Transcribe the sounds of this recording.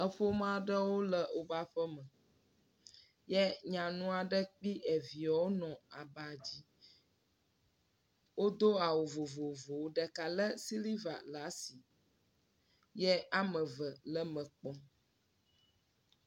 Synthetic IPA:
ə˦ɸo˦mã˦˨ɖə˦wo˦lə˨o˨ba˦ɸə˦mə̃˨ | jɛ˦ɲã˨nũ˦a˨ɖə˦k͡pi˦ʔɛ˨vi˨a˨wo˦nɔ̃˨a˨ba˨d͡ʑi˦ | wo˦d̪o˦a˨wo˨vo˨vo˨vo˨wo˦ɖə˨ka˨lə˦si˦li˦va̰˨la˨˦si˨ | jɛ˦a˦mə̃˨və˨lə˦mə̃˨k͡pɔ˨

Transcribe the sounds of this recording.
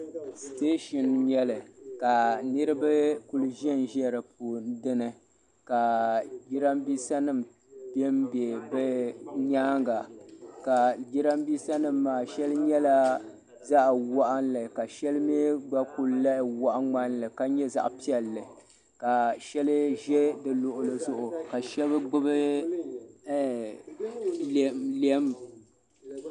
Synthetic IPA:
steː˦ʃɔ˨nɲɛ˦lɨ˨ka˨nɨ˦ɾɨ˦ba˦ku˦˨lɨ˦ʒɛ˦˨n˨ʒɛ˦ɾɨ˨p̚o˨n˦dɨ˦nɨ˨ | ka˨ɡi˦ɾa˦mbiː˦sa˦nɨ˦˨m | bɛ˦m˦bɛ˨bɛ˦ɲaː˦ŋɡa˨ka˨ɡi˦ɾa˦mbiː˦sa˦nɨ˦mːaː˨ʃɛ˦lɨ˦ɲɛ˦la˦ | za˦ʔwɔ˦ʔa˦nlɨ˨ka˨ʃɛ˦lɨ˦me˦ɡ͡ba˦ku˦lla˦ʔɪ˨wɔ˦ʔa˦ŋ͡ma˦nlɨ˨ka˦ɲɛ˦za̰˦ʔpi˦ɛ˨lːɨ˨ | ka˨ʃɛ˦lɨ˦ʒɛ˦dɨ˨lʊ˨ʔʊ˨lɨ˨zʊ˦˨ʔʊ˨ka˨ʃɛ˦bɨ˦ɡ͡bɨ˦bɨ˦˨ | llɛ˦m

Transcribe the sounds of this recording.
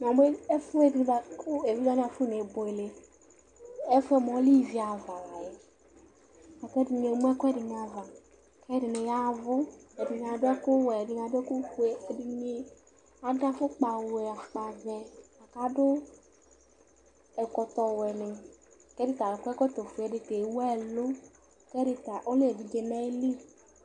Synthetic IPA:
m˨a˨me˦ɛ˦fʊ˦e˨di˨da˨˦kʊ˦e˨vi˦da˦n˦a˨fʊ˦ne˨bɔ˨e˨le˨ | ɛ˦fɛ˦mɔ̃˨˦li˦˨vi˨˦a˨va˨la˨jɛ˨ | a˨kɛ˦di˨ɲe˨˦m˦ɛ˦kɛ˦dɪ˨ɲ˨a˨va˨ | kɛ˦dɪ˨ne˨ja˦˨vʊ˦e˨dɪ˨ɲ˨a˨dʊ˦ɛ˦kʊ˦wɛ˨e˨dɪ˨ɲ˨a˨dɛ˦kʊ˦xe˨e˨di˨ɲi˦ | a˨da˦fʊ˦k͡pa˨wɛ˨a˨k͡pa˨vɛ˨a˨ka˦dʊ˦ | ɛ˨kɔ˧t̪ɔ˨wɛ˨nɪ˨kɛ˦dɪ˦t̪a˨lɛ˨kʷɛ˦kɔ˦t̪ɔ˨fu˨ɛ˨dɪ˧te˨˦wɛ˦˨lʊ˦ | kɛ˦dɪ˧ta˨ʔo˦le˦˨di˨d͡ʒɛ˧nɛ˦li˦

